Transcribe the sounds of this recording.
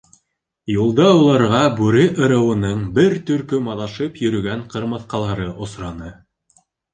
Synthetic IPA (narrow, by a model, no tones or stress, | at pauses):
julˠd̪ɑulˠɑɾʁɑbʉɾɘʔɤ̆ɾɤ̆wɤ̆nɤɴbɘɾt̪ɵ̆ɾkɵmɑðɑʃɤpjɵ̆ɾɵ̆ɡæɴqɤ̆ɾmɤ̆θqɑlˠɑɾɤʔŏsɾɑnɤ